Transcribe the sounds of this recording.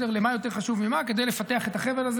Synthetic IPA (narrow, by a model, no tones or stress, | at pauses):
eʁlemajo̞t̪e̞ʁχaʃuvmimaked̪ejlefat̪eaχe̞t̪aχe̞velaz